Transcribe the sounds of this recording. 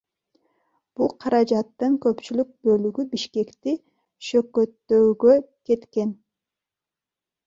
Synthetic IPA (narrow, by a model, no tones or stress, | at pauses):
b̥ulˠqʰɑɾɑd͡ʒɑt̪ːɯŋkø̞pt͡ʃylyk̚bø̞lyɡybiʃke̞kt̪i | ʃø̞køt̪ːø̞ːɡø | ke̞t̪ke̞n